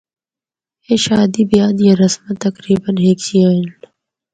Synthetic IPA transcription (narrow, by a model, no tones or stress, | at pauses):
eʃaːd̪ibjaːd̪jaɾɐsmɐt̪ɐkɾiːbənɦeːksiaːn